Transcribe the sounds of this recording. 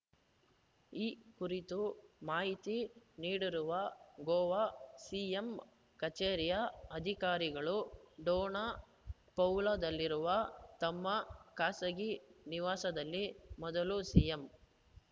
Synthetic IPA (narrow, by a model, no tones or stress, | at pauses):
iːkuɾit̪umaːɦit̪iniːɽiɾuʋɐɡɔːʋasiːjem | kɐt͡ʃeːɾjɐɐd̪ʱikaːɾiɡɐɭuɖɔːna | pɐwlɐd̪ɐlːiɾuʋɐt̪ɐmːɐkaːsɐɡiniʋaːsɐd̪ɐlːimɔd̪ɐlusiːjem